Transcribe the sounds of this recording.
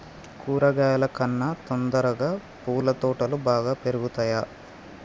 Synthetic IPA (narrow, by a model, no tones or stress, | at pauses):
kuːɾɐɡaːlɐkɐnːɐt̪ond̪ɐɾɐɡaː | puːlɐt̪ɔːʈɐlubaːɡaːpeɾuɡut̪aːjaː